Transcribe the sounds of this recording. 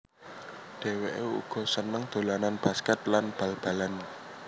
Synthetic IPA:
ɖ̥e̤weʔeṵɡ̥ɔ̤sənəŋd̪̥o̤lananb̥askɛt̪̚lanb̥ä̤lb̥ä̤lan

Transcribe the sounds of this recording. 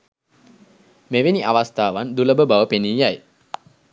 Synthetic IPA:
meʋeniʔaʋast̪aːʋand̪uləbəbaʋəpeniːjaj

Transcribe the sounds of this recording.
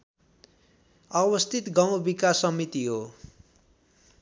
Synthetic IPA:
ʌbʌst̪ʰit̪ɡaw̃bikasːʌmit̪iɦo

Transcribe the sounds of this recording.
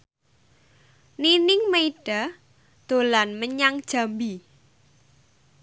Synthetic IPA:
ninɪŋmeiɖ̥a | d̪̥o̤lanməɲaŋd̥ʒ̥a̤mbi

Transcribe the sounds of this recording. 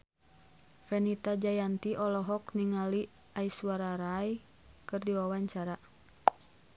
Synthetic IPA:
fɛnit̪ad͡ʒajant̪iʔɔlɔɦɔkniŋali | aiswaɾaɾaj | kɨrdiwawaɲt͡ʃaɾa

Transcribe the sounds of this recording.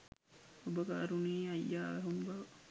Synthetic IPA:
obɐɡaːɾuniːɐjːaːʋæɦumbɐʋ

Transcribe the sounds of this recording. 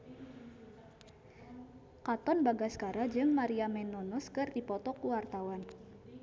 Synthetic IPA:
kat̪ɔnbaɡaskaɾad͡ʒɨŋmaɾiamɛnɔnɔskɨrdipɔt̪ɔkuwart̪awan

